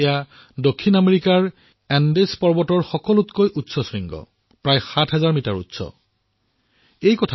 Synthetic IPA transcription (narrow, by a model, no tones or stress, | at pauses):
ɛja | dokʰːinameɹikaɹ | ɛndespɔɹbɔtɔɹxɔkɔlutkojʔutsɔsiŋɡɔ̰ | pɹajxatʰɦɛzaɹmitaɹṵtsɔ̰ | ejkɔtʰ